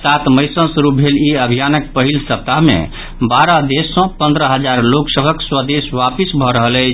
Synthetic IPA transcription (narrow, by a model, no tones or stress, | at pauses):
sat̪məjsə̃nsɾup̚bʱeliəbʱijanək̚pəɦilsəp̚t̪aɦmḛ | baɾad̪esːɔ̃pə̃nd̪ɾəɦəd͡ʒaɾloksəbʱəkswəd̪eswapisbʱɔɾəɦələt͡ʃʰ